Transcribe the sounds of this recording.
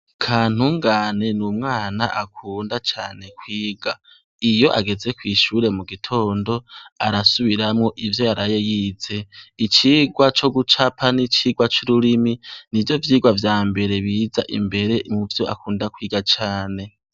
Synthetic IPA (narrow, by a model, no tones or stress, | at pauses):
kʰaːn̥uŋɡaːne̞numŋaːna̰ʔakʰuːndat͡ʃaːne̞kwiːɡ̥a | ijo̞ʔaɡe̞ze̞kwiːʃuːɾe̞muɡitʰo̞ːndo̞aɾasuβiɾamŋo̞ʔivjo̞jaɾaje̞jiːze̞it͡ʃiːɡwat͡ʃo̞ɡut͡ʃapʰanit͡ʃiːɡwat͡ʃuɾuɾiminivjo̞vjiːɡwavjaːmbe̞ɾe̞βiːza̰ʔḭmbe̞ɾe̞muvjo̞ʔa̰kuːndakwiːɡat͡ʃaːne̞